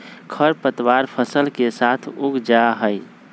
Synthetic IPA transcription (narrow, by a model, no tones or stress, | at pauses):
kʰəɾpət̪waɾpʰəsəlkesat̪ʰʊɡd͡ʒaɦəɪ